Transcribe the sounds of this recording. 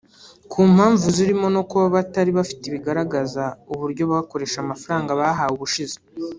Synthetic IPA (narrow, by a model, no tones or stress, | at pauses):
kʰuːm̥haːɱvuziɾimo̞no̞kuβaβataɾiβafi̥teβiɡaɾaɡazauβuɾɟo̞βaako̞ɾe̞ːʃamafaɾaːŋɡaβaɦawuβuʃize